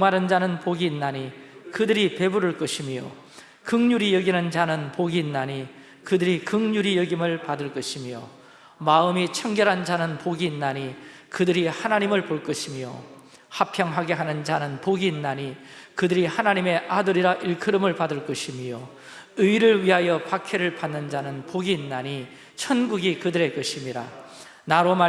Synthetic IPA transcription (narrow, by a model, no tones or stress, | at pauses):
oŋmaɾɯnd͡ʑanɯnpoɡiːnːaɲikɯdɯɾipe̞buɾɯɭk͈ʌɕʰimijo̰ | kɯŋɲuɾijʌɡinɯnd͡ʑanɯnpoɡiːnːaɲi | kɯdɯɾikɯŋɲuɾijʌɡimɯɭpadɯɭk͈ʌɕʰimijo̰ | maɯmit͡ɕʰʌŋɡjʌɾɦand͡ʑanɯnpoɡiːnːaɲi | kɯdɯɾihanaɲimɯɭpoɭk͈ʌɕʰimijo̰ | hapʰjʌŋɦaɡe̞ɦanɯnd͡ʑanɯnpoɡiːnːaɲikɯdɯɾihanaɲime̞ʔadɯɾiɾaʔiɭkʰɯɾɯmɯɭpadɯɭk͈ʌɕʰimijo | ɯiɾɯɭɥiɦajʌpakʰe̞ɾɯɭpanːɯnd͡ʑanɯnpoɡiːnːaɲi | t͡ɕʰʌnɡuɡikɯdɯɾe̞k͈ɯɕʰimiɾa̰ | naɾoma